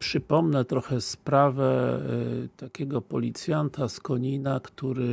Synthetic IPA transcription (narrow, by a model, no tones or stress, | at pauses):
pʂɘpɔmnɛt̪ɾɔxɛspɾavɛ | t̪akʲɛɡɔpɔlʲit̪sʲjant̪askɔɲinakt̪uɾɘ